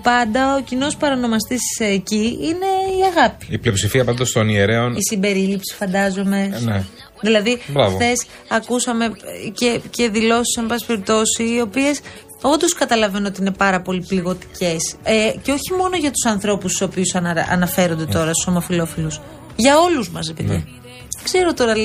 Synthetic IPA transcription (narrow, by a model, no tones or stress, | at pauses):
pɐnd̪ɐocino̞spɐɾɐno̞mɐst̪isːciine̞iɐɣɐpi̥iplio̞psifiɐpɐnd̪ɐst̪o̞nieɾe̞onisimbe̞ɾilipsi̥fɐnd̪ɐzo̞me̞ne | ðilɐðibɾɐvoθe̞s | ɐkusɐme̞cece̞ðilo̞si̥sɐnbɐsi̥pe̞ɾip̚t̪o̞siːo̞pie̞s | o̞nd̪o̞skɐt̪ɐlɐve̞no̞t̪iine̞pɐɾɐpo̞lipliɣo̞t̪i̥cʰe̞seceo̞çimo̞noʝɐt̪u̥sɐnθɾo̞pusto̞piusɐ̰nɐfe̞ɾo̞nd̪et̪o̞ɾɐst̪u̥somɐfilo̞filus | ʝɐo̞luzmɐs̬ɾepeðḭ | kse̞ɾo̞t̪o̞ɾɐ